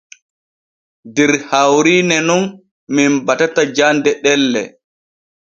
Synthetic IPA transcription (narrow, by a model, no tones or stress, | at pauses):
dɛɾhawɾiːnɛnun | minbatatad͡ʒandɛɗɛlːɛ̰